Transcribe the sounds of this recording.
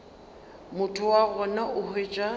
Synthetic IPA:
mʊtʰʊwaɣɔnaʔʊhet͡ʃʼa

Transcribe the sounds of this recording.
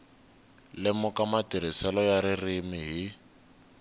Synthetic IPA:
lɪmʊkʼamatʼiɾisɛlɔjaɾɪrɪmɪɦi

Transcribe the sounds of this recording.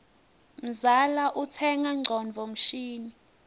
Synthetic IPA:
m̩zalaʔutʰɛŋaŋ͡ǀʱɔnvʱɔm̩ʃiːni

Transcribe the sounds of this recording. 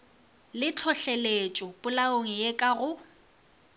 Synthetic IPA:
lɪt͡ɬʰɔɬelet͡ʃʼɔpʼʊlaoŋ̩jekʼaɣʊ

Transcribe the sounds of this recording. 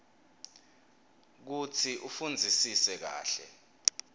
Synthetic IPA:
k̬ut͡sʰiʔufund͡zʱisisɛk̬a̰ːɬɛ̰

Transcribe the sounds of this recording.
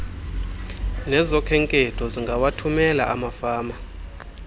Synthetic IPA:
nɛzɔkʰɛŋkʼɛtʰɔziŋɡʱawatʰumɛla̰ʔamafaːma

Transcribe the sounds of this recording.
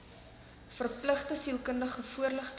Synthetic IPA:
fərpləχtəsilˠkəndəχəfuərləχ

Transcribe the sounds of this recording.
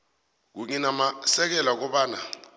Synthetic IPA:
k̬uɲinamasɛk̬ɛlak̬ɔɓaːna

